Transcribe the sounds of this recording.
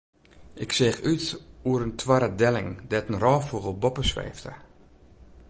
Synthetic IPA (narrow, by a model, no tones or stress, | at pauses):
ʔɪksɛːxytuəɾəntʰwaɾədɛlɪŋdɛtənrɔːfuɣəlˠbɔpəsʋḛːftə̰